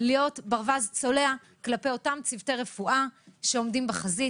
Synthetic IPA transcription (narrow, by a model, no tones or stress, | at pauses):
lijo̞tbaʁvazt͡so̞le̞a | klape̞jo̞tamt͡sivteʁe̞fuʔaʃe̞o̞mdimbeχazi